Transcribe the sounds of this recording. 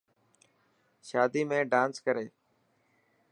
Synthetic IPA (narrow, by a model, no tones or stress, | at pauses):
ʃaːd̪iːmẽːɖãːnskəɾeː